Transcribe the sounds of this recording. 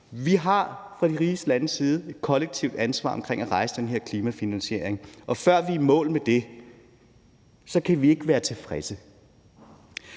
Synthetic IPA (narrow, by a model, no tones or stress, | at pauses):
ʋiɦɑ̈fʁɑ̈d̥iʁiːsd̥əlænəsiːð̞̩ˠe̝d̥kʰɒ̽leɡ̥̚t͡sʰiʊ̰d̥ænsʋɑ̰̈ːɒ̽mkʰʁeŋæʁɑ̈ɪsəd̥enɦe̝ɐ̰kʰliːmæfinænɕe̝ɐ̰eŋʔɒ̽fɶɐ̰ʋimɔ̰̽ːlmed̥e̝ | sɒ̽kʰæʋie̝ɡ̥ʋæːɐt͡sʰe̝fʁɛsə